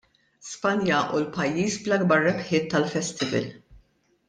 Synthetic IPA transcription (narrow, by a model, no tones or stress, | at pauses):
spɐnjɐʔulpɐjːiːsblɐɡ̚bɐɾːɛpħɪːt̪ːɐlfɛst̪ɪvɛ̰l